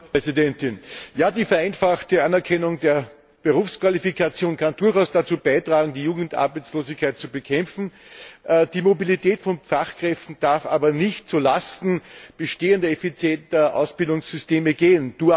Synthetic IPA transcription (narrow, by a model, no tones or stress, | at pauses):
pɛzɪdɛntɪnjaːdiːfɛɐʔaɪnfaχtəʔanɛɐkʰɛnʊŋdeːɐ | b̥eʁuːfskv̥alifikʰat͡sjoːnkʰandʊɐxaʊsd̥at͡suːb̥aɪtʁaːɡŋ̩diːjuːɡŋ̩tʔa̰ɐbæɪt͡sloːzɪçkʰaɪt̚t͡subəkʰɛmp͡fn̩ʔd̥iːmobilitʰɛːtfɔnfaχkʁ̥ɛftn̩d̥aɐfʔa̰ːbɐnɪçtt͡sulastn̩b̥əʃteːəndɐɛfit͡sjɛntɐʔa̰ʊsb̥ɪldʊŋsz̥ʏsteːməɡeːənd̥uː